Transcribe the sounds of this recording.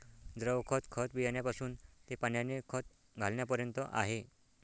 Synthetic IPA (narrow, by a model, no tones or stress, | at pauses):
d͡zɾəʋkʰət̪kʰət̪ʋijaɳjapasuːnt̪epaɳjanːekʰət̪̚ | ɡʱalɳjapəɾjənt̪əʔa̰ɦe